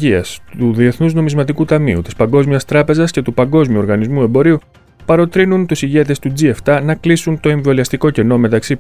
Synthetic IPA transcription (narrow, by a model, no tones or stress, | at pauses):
iɐ̰suðie̞θnuzno̞mizmɐt̪ikut̪ɐmḭṵt̪ispɐŋɡo̞zmiɐst̪ɾɐpe̞zɐsce̞t̪upɐŋɡo̞zmiuo̞ɾɣɐnizmue̞mbo̞ɾiu | pɐɾo̞t̪ɾinunt̪usiʝe̞t̪e̞st̪ud͡zie̞ft̪ɐnɐklisunt̪o̞e̞ɱvo̞liɐst̪iko̞ce̞no̞me̞t̪ɐksi